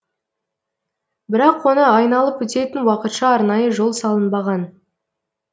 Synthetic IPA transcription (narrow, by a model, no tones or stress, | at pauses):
bɪɾɑqwo̞nəɑjnɑlˠəpwɵt̪e̞t̪ɪnwɑqət̪ʃɑɑɾnɑjəʒo̞lˠsɑlˠənbɑʁɑn